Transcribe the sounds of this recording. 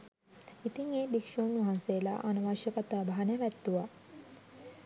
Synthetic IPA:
it̪iŋeːbikʂuːnʋaɦansejːla̰ʔanuʋaːʃəkat̪aːbaɦanejʋæt̪ːuʋa

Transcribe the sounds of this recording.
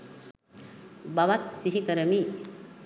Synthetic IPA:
baʋat̪siɦikəɾəmiː

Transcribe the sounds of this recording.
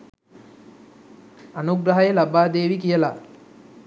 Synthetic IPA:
anuɡɾaɦajəlabaːd̪eːʋikijəla

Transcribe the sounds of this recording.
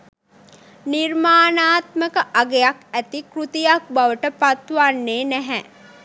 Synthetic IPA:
nirmaːnaːt̪məkəʔaɡejakæt̪ikɾut̪ijak̚baʋəʈəpat̪ʋanːeːnæɦɛ

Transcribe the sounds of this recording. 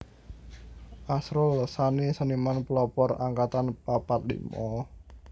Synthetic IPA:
ʔasɾʊlsanisənimanplɔpɔra̰ŋkat̪anpapat̪̚lḭmɔ

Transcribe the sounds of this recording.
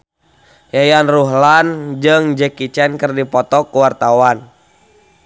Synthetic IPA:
jajanruɦland͡ʒɨŋd͡ʒɛkit͡ʃɛnkɨrdipɔt̪ɔkuwart̪awan

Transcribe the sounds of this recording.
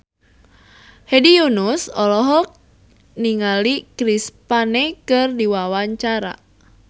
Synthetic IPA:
hedijunusɔlɔɦɔk̚ | niŋalikɾispanɛkɨrdiwawaɲt͡ʃaɾa̰

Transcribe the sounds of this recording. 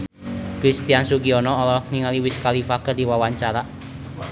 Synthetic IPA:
kɾist̪iansukiɔnɔːlɔniŋaliwɪskalifakərd̪iwawaɲt͡ʃaɾaʔ

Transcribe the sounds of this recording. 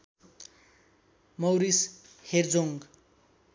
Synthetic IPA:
mʌwɾis | herd͡zoŋɡ

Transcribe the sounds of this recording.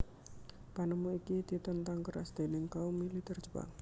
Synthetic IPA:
panəmuikid̪̥i̤t̪ənt̪aŋkəɾa̰sd̪̥e̤nɪŋkaumilit̪ɛr̥d͡ʒ̥əba̰ŋ

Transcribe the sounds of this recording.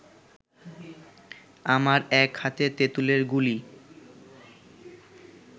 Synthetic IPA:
amaɾɛkʰhat̪et̪et̪uleɾɡuli

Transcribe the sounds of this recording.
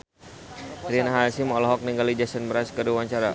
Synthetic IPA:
ɾianaɦasimɔlɔɦɔk̚niŋɡalid͡ʒasənbəɾaskəduwaɲt͡ʃaɾa

